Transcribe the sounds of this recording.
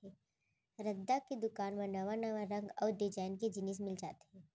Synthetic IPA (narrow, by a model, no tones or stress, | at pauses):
ɦɛː | ɾɐd̪ːaked̪ʊkaːnmɐnɐʋanɐʋaɾɐ̃ŋɡɔːɾd̪ɪd͡ʒaːɪnked͡ʒɪnɪːs̬mɪld͡ʒa̰ːt̪e̥ɦɛ̃ː